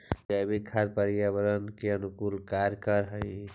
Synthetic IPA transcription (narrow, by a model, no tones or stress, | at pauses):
d͡ʒabʱikʰad̪̚pəɾijabəɾənkeənʊkuːlkaɾkəɾɦə̃ɪ